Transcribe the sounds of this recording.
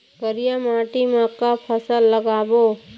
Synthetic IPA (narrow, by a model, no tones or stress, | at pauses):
kəɾijamaːʈimə̃kːapʰəsəlːəɡaːbo